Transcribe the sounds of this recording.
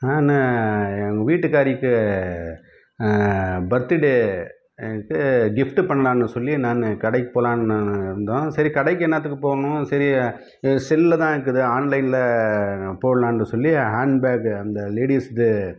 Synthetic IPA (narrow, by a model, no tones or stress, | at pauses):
naːnɯɐŋɡɐʋiːʈːɯkːaːɾikːɯ | bɐɾt̪ːɪɽe | kːɯɡɪfʈɯpɐɳːɐlãːnːɯsɔlːinaːnːɯkɐɽɐɪkːɯpoːlãːnːɯnd̪õːsɐɾikɐɽɐɪk̬ːɛnːaːt̪ːɯkːɯpoːɾɐnʊ̃sɐɾi | sɪlːɐt̪ãːɪɾɯkːɯðɯaːnlɐɪnlɐ | poːɽɐlãːnːɯsɔlːihaːɳɖbaːkɐnd̪ɐleːɽiːsðɯ